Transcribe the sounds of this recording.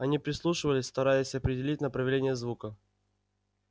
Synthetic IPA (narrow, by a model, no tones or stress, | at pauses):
ɐnʲipɾʲɪslˠuʂɨvəlʲɪsʲst̪ɐɾajɪsʲɐpɾʲɪdʲɪlʲit̚ʲnəpɾəvʲɪlʲenʲɪjəzvukə